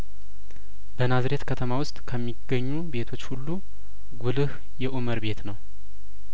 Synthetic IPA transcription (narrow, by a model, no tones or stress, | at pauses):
bənazɾe̞t̪kʰət̪ʰəmawʊst̪ʼkʰəmːiɡ̥əɲːube̞t̪ʰo̞t͡ʃːhulːu | ɡulɨh | jɛʔuməɾbe̞t̪nəw